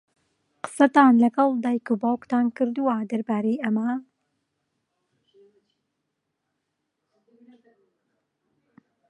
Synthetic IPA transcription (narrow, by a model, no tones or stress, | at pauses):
qɨ̥sɐt̪ɑːnlɐɡɑlˠd̪ɑːjkubaːwkt̪ɑːnkɨɾd̪uwad̪ɐɾbaːɾejɐma